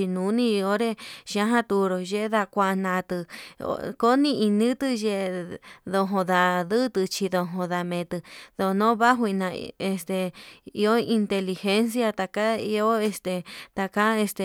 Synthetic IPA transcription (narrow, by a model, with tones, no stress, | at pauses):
i˧nũ˨˦nĩ˧o˦ɾe˧ʃã˦ɦã˦t̪u˧ɾo˨ʒe˦˧ða˧kʷa˧ʔnã˧t̪ɨ˧o̰˧ko˦nĩ˧i˧nĩ˦t̪ɨ˧ʒe˧ðo˧ɦõ˧ða˧ðɨ˦t̪ɨ˧t͡ʃi˧ðo˧ɦõ˧ða˧mẽ˨˧t̪ɨ˧ðo˧nõ˦βa˦ɦwi˧nã˧e˧st̪e˨i˧o˦i˧nt̪e˧li˧xe˦ns̬ja˧t̪a˧ka˦i˧o˦e˧st̪e˧t̪a˧ka˦e˧st̪e˧